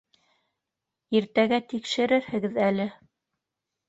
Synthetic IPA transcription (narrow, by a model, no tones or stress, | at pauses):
iɾt̪æɡæt̪ikʃɘ̆ɾɘɾhɘ̆ɡɘðælɘ